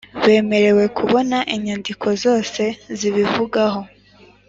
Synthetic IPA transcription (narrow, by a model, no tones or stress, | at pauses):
βe̞ːme̞ɾe̞we̞kʰuβo̞naʔiɲandikʰo̞zo̞ːse̞ziβivuɡaɦo̞